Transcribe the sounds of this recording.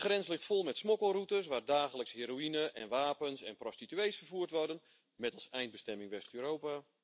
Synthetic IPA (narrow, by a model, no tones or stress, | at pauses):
xrɛnslɪxtfolˠmɛtsmokəlˠrutəsʋaːrdaːχələkshiːɾoinəʔɛnʋaːpənsɛnprostityejsfərvuərtʋɔrdən | mɛtɑlˠsɛjnd̚bəstɛmɪŋʋɛstøːɾowpa